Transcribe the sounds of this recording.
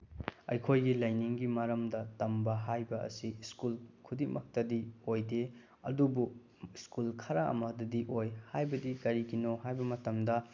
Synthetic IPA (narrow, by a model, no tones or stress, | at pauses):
ɐ̰jkʰojɡilɐjniŋɡimɐɾɐmdɐtɐmbɐɦajbɐʔɐ̰siskulkʰudimʔɐk̚tɐdiojde | ɐ̰dubu | iskulkʰɐɾaɐ̰mɐdɐdiʔojhajbɐdikɐɾikʰinoɦajbɐmɐtɐmdɐ